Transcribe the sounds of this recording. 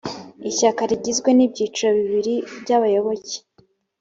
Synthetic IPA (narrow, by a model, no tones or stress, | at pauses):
içakaɾiɟizɡwe̞nibɟiːt͡ʃuoβiβiɾibɟaβajo̞βo̞ce̥